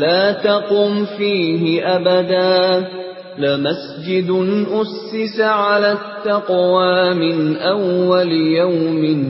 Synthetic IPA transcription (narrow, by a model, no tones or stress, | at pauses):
laːt̪ɑqʊːmfiːɦɪʔabad̪aː | lɪmas | d͡ʒɪd̪nʔʊsːɪsaʕalaːt̪ːɑqwaːmɪnʔawːalɪjawmɪ